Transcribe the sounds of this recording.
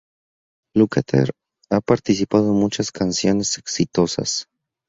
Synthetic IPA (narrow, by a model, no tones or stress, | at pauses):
lukat̪ʰḛɾ | apaɾt̪isipaðomut͡ʃaskansjo̞ne̞se̞ksit̪o̞sa̰s